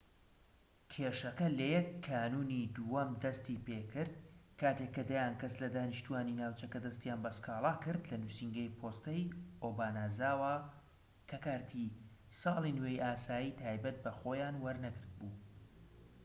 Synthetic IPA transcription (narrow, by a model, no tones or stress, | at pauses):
kʲʰeːʃɐkɐlɐjɛkʰːaːnuːnid̪uwɐmd̪ɐst̪iːpeːkɨɾd̪̚kaːt̪ekːɐd̪ajaːnkɐslɐd̪aːnɨʃt̪uwaːninaːwt͡ʃɐkɐd̪ɐst̪jaːnbɐskɑːlˠɑːkɨɾd̪lɐnusiŋɡɐjpʰoːst̪ɐjʔoːbaːnaːzaːwa | kʰɐkaːɾt̪ʰisɑːlˠinwejʔaːsaːjiːt̪ʰaːjbɐt̪̚bɐxoːjaːnwɐɾnɐɡɨɾd̪̚buː